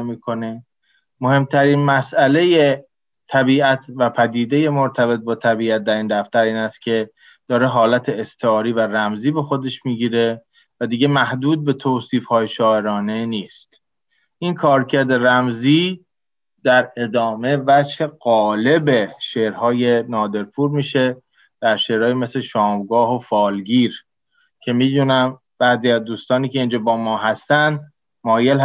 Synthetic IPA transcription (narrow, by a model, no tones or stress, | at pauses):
miːkʰo̞ne̞ | mo̞he̞mt̪ʰæɾiːnmæsʔæle̞je | t̪ʰæbiːæt̪ʰvæpʰæd̪iːd̪e̞je̞moɾt̪ʰæbe̞t̪̚bɒːt̪ʰæbiːæt̪̚d̪æɾiːnd̪æft̪æɾiːnæst̪̚cʰe̞ | d̪̥ɒːɾe̞ɦɒːlæt̪ʰeːst̪ʰeɒːɾiːværæmziːbe̞xo̞d̪e̞ʃmiːɟiːɾe̞ | væd̪iːɟe̞mæhd̪uːd̪̚be̞t̪ʰoːsiːfhɒːjeʃɒːe̞ɾɒːne̞niːst̪ | ʔinkʰɒːɾcʰæɾd̪e̞ɾæmziː | d̪æɾe̞d̪ɒːme̞væd͡ʒhe̞ɢɒːle̞be̞ʃeːʔɾhɒːje̞nɒːd̪e̞ɾpʰuːɾmiːʃe̞ | d̪̥æɾʃeːɾhɒːjeme̞sleʃɒːmɡɒːɦofɒːlɟiːɾ | cʰe̞miːd̪uːnæm | b̥æːziːæzd̪uːst̪ɒːniːcʰe̞ind͡ʒɒːbɒːmɒːɦæst̪ænd̪ | mɒːjelh